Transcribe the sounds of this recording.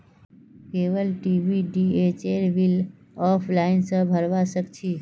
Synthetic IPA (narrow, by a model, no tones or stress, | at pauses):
keːʋəlʈibiɖiet͡ʃeɾbil | ɔpʰlaɪnsə̃bʱəɾʋasəkt͡ʃʰi